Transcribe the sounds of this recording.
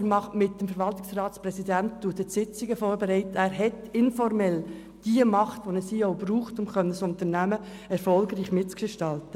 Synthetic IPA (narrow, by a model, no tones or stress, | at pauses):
mɑχmɪt̚d̥əmfəɾʋɑltɪksrɑːtsprɛsidæntd̥uːtətsɪt͡siɡəfoːɾbeɾɛɪtæːɾɦɛtɪnfɔɾmɛl | d̥iəmɑχtʋonɛsiːoʊbɾuːχtʊmχœnəsʊntəɾnæmə | ɛɾfɔlɡɾiːχmɪt̚t͡sɡ̥ɪʃtɑltə